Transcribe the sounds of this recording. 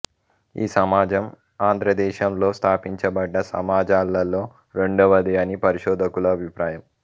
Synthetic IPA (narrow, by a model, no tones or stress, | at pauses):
ḭːsɐmaːd͡ʒɐm | aːnd̪ʱɾɐd̪ɛːʃɐmlo̞ːst̪ʰaːpiɲt͡ʃɐbɐɖːɐsɐ̰maːd͡ʒaːlːɐlːo̞ː | ɾe̞ɳɖɐʋɐd̪ijɐnipɐɾiʃɔːd̪ɐkulɐːbʱipɾaːjɐm